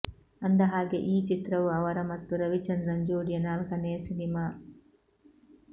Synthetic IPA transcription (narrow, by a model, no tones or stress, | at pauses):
ɐnd̪ɐɦaːɡeʔiːt͡ʃit̪ɾɐʋuɐʋɐɾɐmɐt̪ːuɾɐʋit͡ʃɐnd̪ɾɐɲd͡ʒuːɽijɐnaːlkɐneːsinimaː